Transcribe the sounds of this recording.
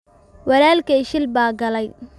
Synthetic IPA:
wɐɾaːlkɛjʃɪlbaːɡɐlɛj

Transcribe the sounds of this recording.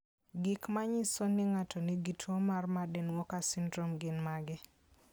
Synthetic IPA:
ɡɪkmaɲɪsonɪŋatɔniɡitʰɔmarmadɛnwɔkasɪndɾomɡɪnmaɡɪ

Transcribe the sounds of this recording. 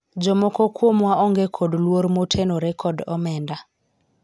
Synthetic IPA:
d͡ʒɔmokokwomwaʔɔŋɡekʰodlwoɾmotʰenoɾɛkʰɔdɔmɛnda

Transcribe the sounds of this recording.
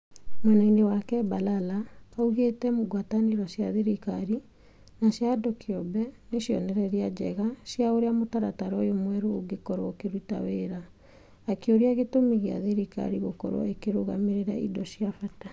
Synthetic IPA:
mwanainewakɛbalalaauɣetɛmoɡwataneɾɔsjaðeɾikaɾi | naɕjadɔkiɔbɛneɕjɔ̰nɛɾɛɾiad͡ʑɛ̰ɣasjaoɾeamotaɾataɾɔjomwɛɾooɡekɔɾɔkeɾuta̰weɾaː | kjoɾiaɣetomeɣea̰ðeɾika̰ɾiɣokɔ̰ɾɔ̰ekeɾoɣa̰meɾeɾaʔḭdɔɕjafata

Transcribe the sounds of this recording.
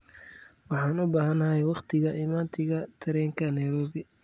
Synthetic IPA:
wɑħɑːnʊbaːɦɐnɐɦɛjwɑqt̪ʰɪɣɐʔɪmaːnt̪ʰɪɣɐt̪ʰɐɾɛːŋkʰɐnɐjɾɔːβɪ

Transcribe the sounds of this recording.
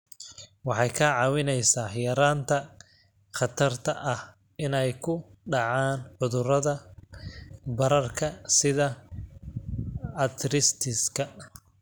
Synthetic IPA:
wɑħɑjkʰɐʕɑːwɪnɛjsaːjɐɾaːnt̪ʰɐ | χɑt̪ʰɐrt̪ʰɐʔɐh | ɪnɛjkʰʊɖɑʕaːnħʊðʊrɐðɐ | bɐɾɐrkʰɐsɪðɐ | ɐt̪ʰɾɪst̪ʰɪskʰɐ

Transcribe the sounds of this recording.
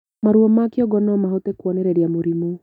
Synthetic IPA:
maɾuɔmakiɔɡɔnɔmaɦotekwɔnɛɾɛɾiamuɾimu

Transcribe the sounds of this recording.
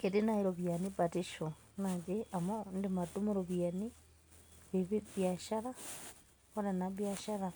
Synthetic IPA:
kitinaiɾoβjanipatiʃo | nad͡ʒiamondimatumuɾoβjani | βiβiβjaʃaɾa | oɾenaβjaʃaɾa

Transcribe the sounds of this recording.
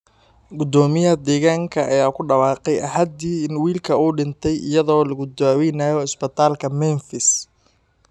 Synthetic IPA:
ɡʊd̪ɔːmɪjɐd̪ɛːɣaːŋkʰɐʔɐjaːkʰʊɖɑwɑːqɛjɐɦɐd̪iːɪnwiːlkʰɐuːɖɪnt̪ʰɛjʔɪ̰jɐðɔːlɐɣʊd̪aːwɛjnaːjɔɪsbɛt̪ʰaːlkʰɐmɛnfɪs

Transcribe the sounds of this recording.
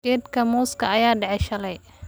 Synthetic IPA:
ɛːd̪kʰɐmuːskʰɐɐjaːɖɛʕɛʃɐlɛj

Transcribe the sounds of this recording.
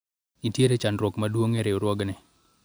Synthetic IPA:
itjeɾet͡ʃanɾwɔkmadwoŋɛɾeoɾwɔɡnɛ

